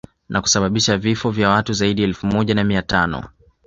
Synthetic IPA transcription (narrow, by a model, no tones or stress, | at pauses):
nʔaku̥saɓaɓiʃavifɔvjawatuzaiɗiaɛlfumɔʄanamiatanɔ̰